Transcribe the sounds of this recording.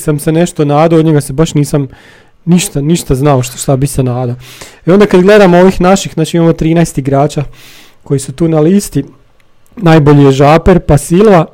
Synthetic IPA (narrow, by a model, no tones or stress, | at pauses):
samsene̞ʃt̪onaːd̪ood̪ɲeɡasebaʃniːsam | niʃt̪aniʃt̪aznaoʃʃt̪abixsenaːd̪aeo̞nd̪akad̪ɡle̞d̪amooʋiːxnaʃixznaːt͡ʃiimamo̞t̪ɾiːnajst̪iɡɾaːt͡ʃa | ko̞jisut̪uːnaliːst̪i | najbo̞ʎijeʒaːpeɾpasilʋa